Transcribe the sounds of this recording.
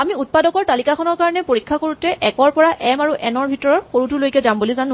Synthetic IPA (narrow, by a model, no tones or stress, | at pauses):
amiut̚padɔkɔɹtalikakʰɔnɔɹkaɹɔnɛpoɹikʰːakoɹutɛʔɛkɔɹpɔɹaʔɛmaɹuʔɛnɔɹbʱitɔɹɔɹxoɹutulojkɛzambulizanʊ̃